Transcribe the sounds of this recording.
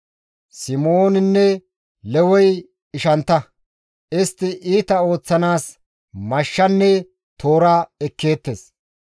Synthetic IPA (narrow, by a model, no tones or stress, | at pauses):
sɪmoːnɪnːɛ | lɛwɔj | ɪʃɐnt̪ːɐ | ʔɪst̪ːɪʔiːt̪ɐo̞ːt͡sːɐnaːs | mɐʃːɐnːɛ | t̪o̞ːɾaːɛkːe̞ːt̪ːes